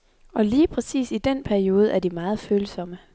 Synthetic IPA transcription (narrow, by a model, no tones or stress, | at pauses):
ʔɒ̽liːpʰʁɛsḭːsid̥enpʰæɐio̝ːð̞ˠæɐd̥imɑ̈ːð̞̩ˠføːləsɒ̽mə